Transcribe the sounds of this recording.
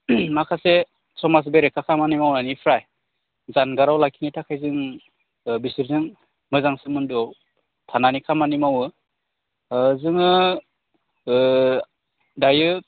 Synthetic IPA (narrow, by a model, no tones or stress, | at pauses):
makʰase | sɔmas̬beɾekʰakʰamanimawnanipʰɾaj | zanɡaɾawlakʰinitʰakʰajzɯŋ | bisɯɾzɯŋ | mɯzaŋsɯmɯndɔ | tʰananikʰamanimawɯ | zɯŋɯ | dajɯ